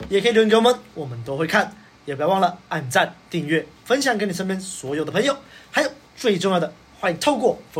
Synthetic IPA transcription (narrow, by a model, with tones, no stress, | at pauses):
jɛ˨˩kʰə˧˥i˨˩˧jo˧˥ʊmə˧˥nwɔ˨˩mə˦nt̪o˥ʊxe˥˧kʰa˥˩n | jɛ˨˩pwɑ˥˩ŋlə˩a˥˧˩nt͡sa˥˧nt̪i˥˧ŋɥɛ˥˩fə˥nɕjɑ˨˩ŋkə˥ni˨˩ʂə˥npʲjɛ˥nswɔ˧˥jo˨˩ʊd̪ə˩pʰŋjo˨˩ʊxa˧˥jo˨˩ʊt͡swe˥˧ɪʈ͡ʂʊ˥˧ŋjɑ˥˩d̪ə˩ | xwa˥˧˩i˧ŋt̪ʰo˥˧ʊkwɔ˥˩f